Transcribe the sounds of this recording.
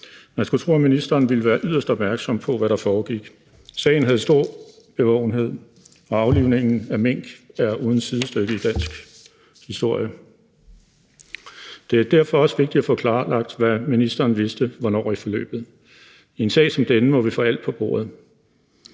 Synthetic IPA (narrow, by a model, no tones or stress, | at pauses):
næsɡ̥ut͡sʰʁoːminisd̥ɐːnʋiləʋæːɐʔyðˠɐsd̥ɒ̽b̥mæɐɡ̥sɒ̽m̰pʰɒ̽ʋæɾɑ̈fɒːɡ̥iɡ̥ | sɛ̰ːɪn̩ɦæðˠəsd̥o̝ɐ̰ | b̥e̝ʋɒ̰ʊn̩ɦe̝ð̞̰ˠ | ɒ̽ɑ̈ʊliʊ̰ne̝ŋ̰n̩æmeŋ̰ɡ̥æɐuːð̞ˠn̩siðˠəsd̥øɡ̥əid̥æn̰sɡ̥ | hisd̥o̝ɐ̰jə | d̥e̝æɐd̥æɐ̰fɒ̽ɒ̽sʋe̝ɡ̥̚d̥id̥æfɔ̽ːkʰlɑ̈ːlɑ̈ɡ̥̚d̥ʋæminisd̥ɐːnʋe̝sd̥əʋɒnɒ̰ːifɒ̽lø̰ːb̥ð̞̩ˠ | e̝nsɛ̰ɪsɒ̽md̥enəmɒ̽ʋifɔ̰æl̰d̥pʰɒ̽b̥o̝̰ːɐ̰ð̞̩ˠ